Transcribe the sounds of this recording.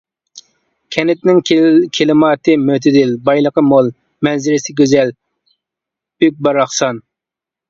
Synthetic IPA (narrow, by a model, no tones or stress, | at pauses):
kʲʰɛnɪt̪nɪŋkʲʰelɨmɑːt̪ʰɨmøt̪ʰɪd̪ɪlbɑjlˠəqəmolˠ | mɛnzɪɾɪsɪɡʲøzɛl | byk̚ʲbɑɾɑχsɑn